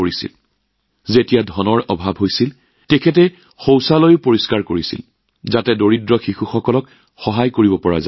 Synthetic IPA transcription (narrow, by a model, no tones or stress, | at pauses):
oɹisḭl | zetijadʱɔnɔɹɔbʱabɦojsil | tekʰɛt̬ɛ | xowsalojʊpoɹiskaɹkoɹisḭl | zatɛdoɹidɹɔxixuxɔkɔlɔk | xɔɦajkoɹibɔpɔɹa̰za